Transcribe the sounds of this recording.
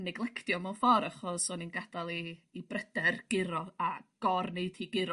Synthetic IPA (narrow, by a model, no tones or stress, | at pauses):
nɛɡlˠɛkʰtjɔmɔfɔɾaχɔsɔninɡadalˠiːbrəd̥ɛrɡ̥ɪɾɔaɡ̥ɔrneɨdʰiːɡɪɾɔ